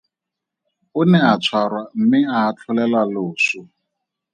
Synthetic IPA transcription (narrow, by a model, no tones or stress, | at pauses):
ʊnɛat͡sʰwarwam̩mɪaːt͡ɬʰʊlɛlaloːsʊ